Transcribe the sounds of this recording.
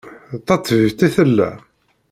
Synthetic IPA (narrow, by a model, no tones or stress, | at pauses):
t̪ːɑt͡s̪ːˤvivt̪æθəlːæ̰